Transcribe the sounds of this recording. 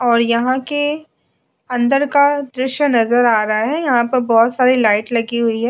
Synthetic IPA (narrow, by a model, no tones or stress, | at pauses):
ɔːɾjɐɦãke | ɐ̃nd̪əɾkad̪ɾɪʃjənɐzəɾaːɾɐɦaɦɛjɐɦãpɐɾbɔːt̪saːɾilaːɪʈlɐɡiɦʊiɦɛː